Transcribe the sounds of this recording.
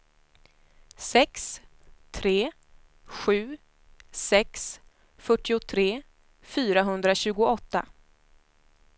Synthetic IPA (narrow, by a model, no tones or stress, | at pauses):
sɛks | t̪ʰɾeː | ɧʉ̟ː | sɛks | fœʈːɪʊt̪ʰɾeː | fyːɾaɦɵnd̪ɾaɕʉ̟ːɡʊɔt̪ːa̰